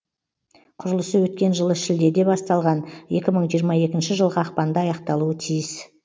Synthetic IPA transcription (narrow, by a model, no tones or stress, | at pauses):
qʰʊɾəlˠəsəwɵt̪kʲe̞nʒəlˠəʃɪld̪e̞d̪e̞bɑst̪ɑlˠʁɑne̞kʲɪməɴʒijəɾmɑe̞kʲɪnʃɪʒəlˠʁəɑqpɑnd̪əɑjɑqt̪ɑlˠuət̪ʰijɪs